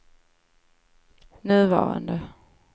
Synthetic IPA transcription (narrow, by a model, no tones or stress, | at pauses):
nøðˠʋɑ̰ːʁa̰nd̪ə